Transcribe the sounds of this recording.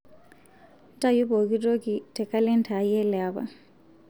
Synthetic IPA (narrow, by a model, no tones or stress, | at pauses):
ntajuboɡidoɡitɛkalɛntajɛlɛaba̰